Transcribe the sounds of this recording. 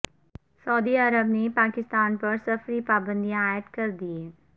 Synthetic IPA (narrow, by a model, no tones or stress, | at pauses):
sɐːd̪iɐɾəbnepaːkɪst̪aːnpɐɾsɐfɾipaːbə̃nd̪iaːjət̪kɐɾd̪ieː